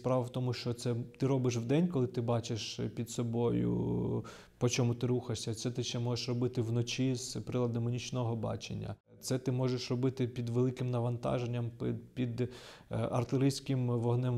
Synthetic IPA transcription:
spɾɑʋɐwt̪ɔmʊʃt͡ʃɔt̪sɛt̪ɪɾɔbɪʃ̬ʋd̪ɛnʲkɔlˠɪt̪ɪbɑt͡ʃeʃpʲid̪sɔbɔjʊ̰ | pɔt͡ʃɔmut̪ɪɾuxɐʃsʲɐt̪sɛt̪ɪʃt͡ʃːɛmɔʒeʃrɔbɪt̪ɪʋnɔt͡ʃʲiz̥pɾɪlˠɐd̪ɐmɔnʲit͡ʃnɔɦɔbɑ̰t͡ʃḛnʲːɐ̰ | t̪sɛt̪ɪmɔʒeʃrɔbɪt̪ɪpʲid̪ʋelˠɪkɪmnɐʋɐnt̪ɑ̰ʒenʲːɐmpɪpʲid̪ | ɐ̰rt̪ɪɾɪsʲkɪmʋɔɦnɛm

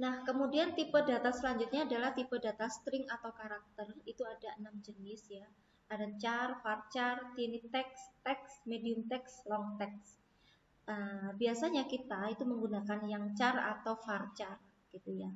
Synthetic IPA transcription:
nahkəmudiant̪ipədat̪asəlaɲd͡ʒut̪̚ɲaːdalaht̪ipədat̪ast̪ɾɪŋat̪awkaɾak̚t̪ərit̪uadaənamd͡ʒənɪsja | adaɲt͡ʃarfart͡ʃart̪init̪ɛkst̪ɛksmediʊmt̪ɛkslɔŋt̪ɛks | ʔəbiasaɲakit̪ait̪uməŋɡunakanjaŋt͡ʃara̰t̪awfart͡ʃar | ɡ̥it̪uja

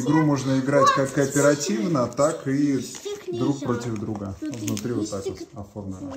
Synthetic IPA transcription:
ɪɡɾumo̞ʐnəɪɡɾatʲkakːəɐpʲɪɾɐtʲivnət̪akɪ | d̪ɾuk̚pɾo̞tʲɪvd̪ɾuɡəvnʊt̪ɾʲivot̪ːakot̪ɐformlʲɪnə

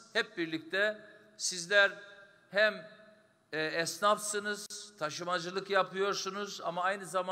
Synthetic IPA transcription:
hɛp̚biɾlʲic̚t̪ʰɛ | sizlʲæɾ | hæm | ɛɛsnafsɯnɯz̥t̪ʰaʃɯmad͡ʒɯlˠɯkjapʰɯjo̞ɾsunuzamaajnɯzama

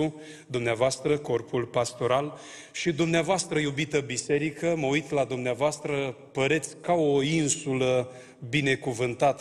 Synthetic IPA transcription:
u | d̪umneavoast̪ɾəko̞rpulpast̪o̞ɾal | ʃid̪umneavoast̪ɾəjubit̪əbise̞ɾikəməujt̪lad̪umneavoast̪ɾəpəɾe̞t̪sʲkaoinsulə | bine̞kuvɨnt̪at̪

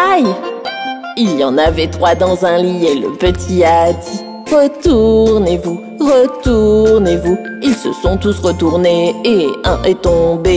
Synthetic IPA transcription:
aj | iljɑ̃navɛt̪χwad̪ɑ̃zɛ̃lielə̰pət̪ʰiad̪i | ʁət̪uʁnevu | ʁət̪uʁnevu | ilsə̰sɔ̃t̪usʁət̪uʁneeɛ̃ʔet̪ɔ̃be

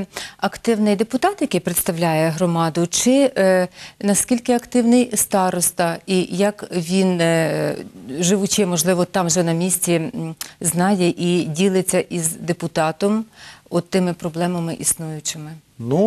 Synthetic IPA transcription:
ɐkt̪ɪwnɪjd̪epʊt̪ɑt̪jɐkɛjpɾet̪st̪ɐwlʲajɛɦɾɔmɑd̪ʊt͡ʃɪ | nɐskʲilʲkɪɐkt̪ɪwnɪjst̪ɑɾɔst̪ɐijɐkʋʲin | ʒɪʋʊt͡ʃɪmɔʒlˠɪʋɔt̪ːɑmʒɛnɐmʲisʲtʲiznɑjɛʔidʲilˠɪt͡sʲːɐʔizd̪epʊt̪ɑt̪ɔmɔt̪ːɪmɪpɾɔblˠɛmɐmɪʔisnujʊt͡ʃɪmɪ | nu

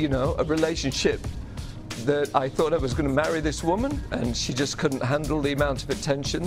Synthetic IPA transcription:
jɨnoʊʔəɹɨleɪʃɨ̃nʃɪp̚ | ðɨɾa̰ɪθɔɾaɪwʌzɡʌnəmæɹiðɪswʊmə̃nɨ̃nʃid͡ʒʌskʰʊdⁿn̩ʔɦæ̃ndˡl̩ˠðiɨmãʊ̃ntʰʌvɨtʰɛ̃nʃɨ̃n

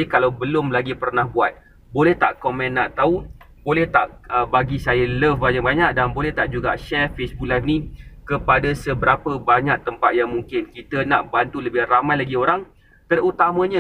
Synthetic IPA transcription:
əkalawbəlʊmlaɡipərnahbuat̪̚ | bolɛht̪a̰ʔkomɛ̃nːaʔt̪aubolɛht̪a̰ʔəbaɡisajaləfbaɲakbaɲak̚danbolɛht̪aʔd͡ʒuɡa̰ʔʃɛrfesbuk̚lajfnĩkəpadasəbəɾapəbaɲak̚t̪əmpat̪̚jaŋmuŋkɪnkit̪ənaʔbant̪uləbɪhramajlaɡioɾaŋ | t̪ərut̪amə̃ɲə̃

